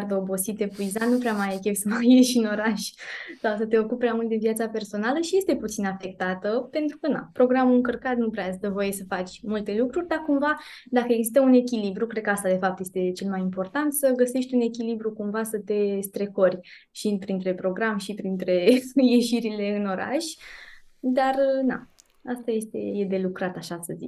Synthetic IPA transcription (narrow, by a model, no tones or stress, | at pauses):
rd̪əobo̞sit̪e̞puizanupɾʲeamajekʲevʲsəmajeʃʲɨno̞ɾaʃʲsawsət̪e̞o̞kuppːɾʲamult̪d̪envjat̪sape̞rso̞naləʃije̞st̪e̞put̪sinafe̞k̚t̪at̪əpe̞nt̪ɾukəna̰pɾo̞ɡɾamuɨŋkərkat̪nupɾead̪əvoje̞səfat͡ʃʲmult̪e̞lukɾurʲd̪akumva | d̪akəe̞ɡzist̪əune̞kʲilibɾukɾekəast̪ad̪e̞fap̚t̪je̞st̪e̞t͡ʃe̞lmajimpo̞rt̪ant̪səɡəse̞ʃt̪ʲune̞k̬ʲilibɾukumvasət̪e̞st̪ɾe̞ko̞rʲ | ʃipɾint̪ɾe̞pɾo̞ɡɾamʃipɾint̪ɾe̞je̞ʃiɾile̞ɨno̞ɾa̰ʃʲ | d̪arna̰ | ast̪aje̞st̪e̞̰je̞d̪e̞lukɾat̪aʃasəzḭt͡ʃʲ